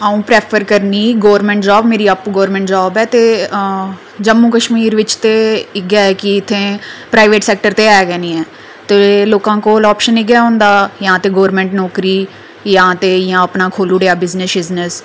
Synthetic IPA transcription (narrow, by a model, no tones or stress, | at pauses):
aːũːpɾeːpʰəɾkəɾniːɡoːʋəɾmɛ̃ːɳʈd͡ʒaːbmeːɾiːəpɡoːəɾmɛ̃ːɳʈd͡ʒaːbɛːt̪eː | d͡ʒəmːũːkəʃmiːɾʋɪt͡ʃt̪eːɪɡaːɛːkɪɪt̪ʰːẽːpɾaːiʋeːʈsɛːk̚ʈəɾt̪eːɛːɡɛːnĩːɛː | t̪eːloːkãːkoːlɔːpʃənɪɡjaːɦʊ̃ːnd̪aːjãːt̪eːɡoːɾmɛ̃ːɳʈnɔːkɾiː | jãːt̪eːjãːəpnaːkʰoːluːɖeːaːbɪznəsbɪznəs